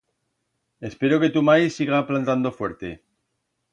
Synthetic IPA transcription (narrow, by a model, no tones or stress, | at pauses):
e̞spe̞ɾoke̞t̪umajsiɣaplant̪and̪o̞fweɾt̪e